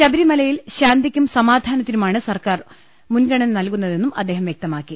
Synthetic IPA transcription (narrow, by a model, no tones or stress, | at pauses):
ɕɐbɐɾimɐlɐjilɕaːnd̪ikʲːumsɐmaːd̪ʱaːnɐt̪ːinumaːɳɨsɐrkaːr | munɡɐɳɐnnɐlkunːɐðe̞nːumɐd̪ːe̞ːɦɐmʋjek̚t̪ɐmaːkːi